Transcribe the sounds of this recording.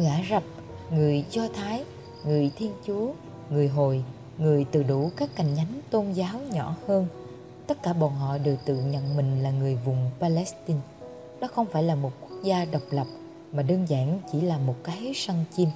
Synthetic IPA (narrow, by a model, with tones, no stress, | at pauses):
ŋaː˧˩zə˨˩p̚ | ŋɨ˨˩əjzɔ˧t̪ʰaː˨˦j | ŋɨ˨˩əjt̪ʰi˧ənt͡ɕu˨˦ə | ŋɨ˨˩əjɦo˨˩j | ŋɨ˨˩əjt̪ɨ̰˧˨ɗu˧˩kaː˦˥kːa˨˩jŋ̟ɲa˨˦jŋt̪o˧nzaː˨˦wɲɔ˧˩˨həː˧n | t̪ə˦˥t̚kaː˧˩ɓɔ˨˩nɦɔ̰˧˨ɗɨ˨˩w̚t̪ɨ̰˧˨ɲə̰˧˨nmï˨˩ŋ̟laː˨˩ŋɨ˨˩əjvʊ˨˩ŋ͡mpaː˧lɛ˦˥st̪i˧n | ɗɔ˨˦xə˧wŋ͡mfaː˧˩jlaː˨˩mo˨˩t̚ku˦˥ək̚zaː˧ɗə˨˩wk͡p̚lə˨˩p̚ | maː˨˩ɗəː˧nza̰ː˧˩nt͡ɕḭ˧˩laː˨˩mo˨˩t̚kaː˨˦jsa˧ŋt͡ɕi˧m